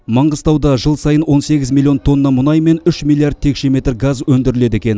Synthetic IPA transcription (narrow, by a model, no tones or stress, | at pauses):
mɑɴʁəzt̪ɑwd̪ɑʒəlˠsɑjənwo̞nse̞ɡʲɪzmʲilˠio̞nt̪ʰo̞nːɑmʊnɑjme̞nʏʃmʲilˠːijaɾrd̪̚t̪ʰe̞kʃeme̞t̪rɡazwɵnd̪ɪɾɪle̞d̪e̞kʲe̞n